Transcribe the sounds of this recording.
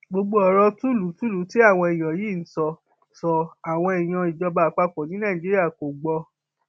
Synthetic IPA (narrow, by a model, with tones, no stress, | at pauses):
ɡ͡bo˧ɡ͡bo˦ɔ˨ɾɔ˧tu˦lu˨˦tu˦lu˨˦ti˦a˦˨w̃ɔ̃˧ɛ˨j̃ã˨ji˦˨n̩˨˦sɔ˧ | sɔ˧a˨w̃ɔ̃˧i˨j̃ã˧i˨d͡ʒɔ˧ba˧˨k͡pa˧k͡pɔ̃˨nĩ˨˦nã˦˨i˨d͡ʒi˦ɾi˦a˦˨ko˨ɡ͡bɔ˧